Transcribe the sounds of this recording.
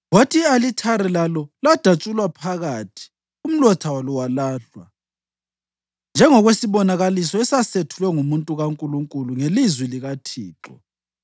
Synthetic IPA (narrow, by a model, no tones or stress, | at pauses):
wwotʰialitʰaɾɛlalɔlad̥ʱat͡ʃʼulwapʰaɣatʰi̥ | um̩lɔtʰawalɔwalaːɬwa̰ | nd͡ʒʱɛŋɔɣwesiβɔnaɣalisɔɛsasetʰulwɛŋumuntʼuɣaŋkʼuluŋkʼuluŋelizwiliɣatʰiːǁɔ̰